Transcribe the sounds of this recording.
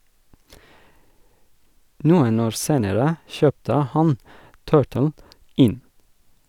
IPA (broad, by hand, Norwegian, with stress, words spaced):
ˈnuːən ˈoːɾ ˈseːnəɾə ˈʃœptə ˈhɑn ˈtɜːʈəl ˈɪn